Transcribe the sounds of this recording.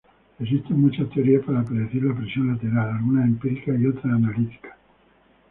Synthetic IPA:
es̬ist̪emut͡ʃat̪eoɾiapaɾapɾeðuθiɾlapɾesjonlat̪eɾalalɣunaempiɾik̪aiot̪ɾaːnalit̪i̥kḁ

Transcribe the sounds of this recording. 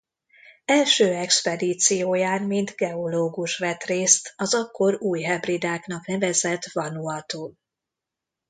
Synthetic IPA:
ɛlʃøːɛkspɛd̪iːt̪sijoːjaːnmind̪ɡɛoloːɡuʃʋɛt̪reːst̪ɒzɒkːo̞ɾuːjɦɛbrid̪aːknɒknɛvɛzɛt̪vɒnuɦɒt̪oː

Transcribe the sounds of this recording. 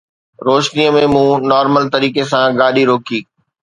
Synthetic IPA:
ɾoːʃnijəmẽmũːnɔːɾməlt̪ɐɾiːkesãɡaːɗiɾoːkʰiː

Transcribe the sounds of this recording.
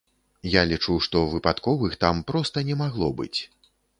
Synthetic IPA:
jalʲit͡ʂuwʂt̪ɔvɨpat̪kɔvɨxt̪ampɾɔst̪ɐnʲɛmaɣlˠɔbɨ̰t͡sʲ

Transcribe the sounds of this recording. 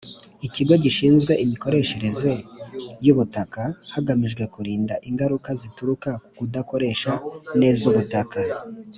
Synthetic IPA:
iciɡo̞ɟiʃiːnzɡwe̞ʔimiko̞ɾe̞ʃe̞ɾe̞ze̞juβutakahaɡamiʒɡwe̞kuɾiːndaʔiŋɡaɾukazituɾukakukudako̞ɾe̞ːʃane̞ːzuβutaka

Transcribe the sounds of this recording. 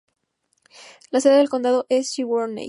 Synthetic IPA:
laseðeðelko̞nd̪aðo̞ʔe̞sʃiwoɾnḛ

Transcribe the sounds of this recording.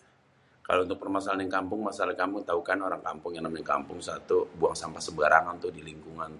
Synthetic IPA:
ka̰lount̪ʊk̚pərmasalanjaŋkampʊŋmasalakamut̪aukanoɾaŋka̰mpʊŋjaŋnamaɲaka̰mpʊŋsat̪ubuaŋsampasəbaɾaŋant̪ʊdiliŋkuŋant̪

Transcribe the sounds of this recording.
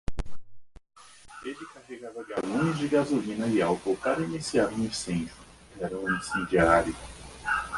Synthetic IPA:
elɪkaheɡavɐɡalũnʊzd͡ʒɪɡazulĩnɐiawtowkaɾɐinisiavɐ̃ĩsẽnʒʊ | iɛɾɐ̃ũĩsẽnd͡ʒiaɾjʊ

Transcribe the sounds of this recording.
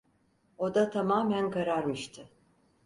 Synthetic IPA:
o̞d̪at̪ʰamaːmænkʰaɾaɾmɯʃt̪ʰɯ

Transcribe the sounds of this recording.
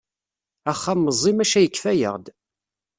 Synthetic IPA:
æχːamːəzˤːimæʃæjəkːfæjə̰ʁd̪

